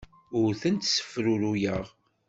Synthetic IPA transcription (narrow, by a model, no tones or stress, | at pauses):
ʊɾθənt̪sə̥fɾuɾujəʁ